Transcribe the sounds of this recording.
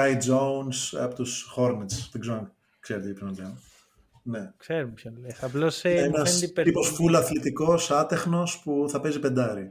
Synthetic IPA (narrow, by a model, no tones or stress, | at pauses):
ɐjd͡zounsɐ̰pot̪usxoɾnet͡st̪iɡzɐŋɡ | kseɾet̪eipsenɐt̪ɐn | ne̞kseɾumpçɐnlesɐplosenɐsiposfulɐθlit̪iko̞sɐt̪e̞xno̞spuθɐpe̞zipe̞nd̪ɐɾi